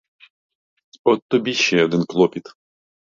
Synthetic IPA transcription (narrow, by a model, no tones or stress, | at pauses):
ɔt̪ːɔbʲiɕːɛɔd̪ɨnklˠɔpʲit̪